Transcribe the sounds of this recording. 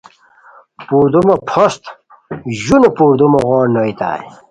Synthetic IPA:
puːɾd̪umɐpʰost̪ | ʑunopuɾd̪umɐɣɔːɾnoit̪a̰j

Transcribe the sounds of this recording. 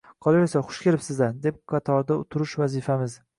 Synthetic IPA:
qʰɒlˠajesaχʊ̥ʃkʲelɪpsɪzad̪e̞p̚qʰɑt̪ʰɒɾd̪aʊt̪ʰʊɾʊʃvazɪfamɪz

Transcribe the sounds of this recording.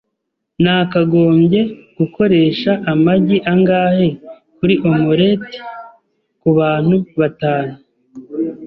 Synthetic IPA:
naːkaɡo̞ːmɟe̞ɡ̥uko̞ɾe̞ːʃaʔamaɟiʔaŋɡaːhe̞ | kuɾiʔomoɾeti̥ | kuβaːn̥huβataːnu

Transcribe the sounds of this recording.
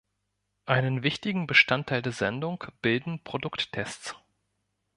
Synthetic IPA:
ʔaɪnənvɪçtɪɡŋ̩bəʃtantʰːaɪldeːɐzɛndʊŋkb̥ɪldn̩pʁ̥odʊktʰːɛstt͡s

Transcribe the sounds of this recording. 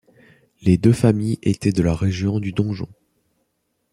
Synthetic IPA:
led̪øfamijet̪ɛd̪əlaʁeʒjɔ̃d̪yd̪ɔ̃ʒɔ̰̃

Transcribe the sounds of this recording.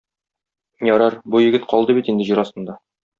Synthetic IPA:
jɒɾɑɾbujɘ̆ɡɘt̪qɒlˠd̪ɤbit̪ind̪ɘ̆ʑiɾɒst̪ɤ̆nd̪ɑ

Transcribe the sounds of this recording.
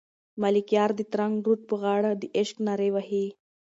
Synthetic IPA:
malikjaɾd̪it̪ɾaŋɡɾuʈ̚pəɣaɽəd̪iʔeɕknaɾeʋaɦi

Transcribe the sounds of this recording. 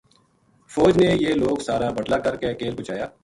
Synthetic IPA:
fɔːd͡ʒnejeːloːɡsaːɾaːbəʈlaːkəɾkekeːlbʊt͡ʃaːjaː

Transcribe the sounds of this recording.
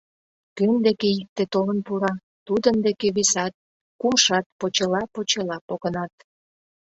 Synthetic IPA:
kønd̪ekeik̚t̪et̪olənpuɾɑ | t̪ud̪ənd̪ekeβisɑt̪̚ | kumʃɑt̪̚pot͡ɕelɑpot͡ɕelɑpoɣənɑt̪̚

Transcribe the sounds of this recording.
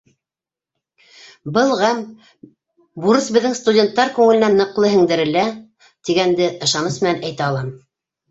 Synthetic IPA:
bɤlˠʁæm | buɾɤsbɘ̆ðːɘŋst̪udʲent̪ːɑɾkʉŋɘ̆lɘ̆nænːɤ̆qlˠɤɦɘ̆ŋd̪ɘ̆ɾɘ̆læ | t̪iɡænd̪ɘʔɤ̆ʃɑnɤsmɘ̆nænæjt̪æɑlˠɑm

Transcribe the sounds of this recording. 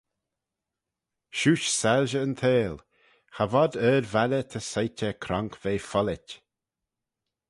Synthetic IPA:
ʃuːʃsalʒəənt̪ʰeːl | havɔd̪əːɾvalət̪ʰəsajtəkʰɾaŋkʰveːfɔlɪtʲ

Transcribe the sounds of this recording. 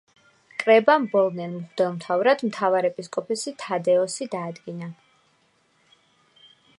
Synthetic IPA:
kʼɾɛbambɔlˠnɛnmʁd̪ɛlˠmt̪ʰavɾad̪̥mt̪ʰavaɾɛpʼiskʼɔpʰɛsit̪ʰad̪ɛɔsid̪aːd̪ɡina

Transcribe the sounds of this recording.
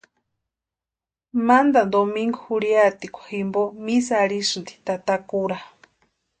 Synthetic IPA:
mand̪and̪omiŋɡohuɾiat̪ikʷḁhimbomisaɾisɨnd̪i̥t̪at̪akuɾa

